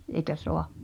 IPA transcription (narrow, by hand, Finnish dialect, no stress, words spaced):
eĭkæ soɑ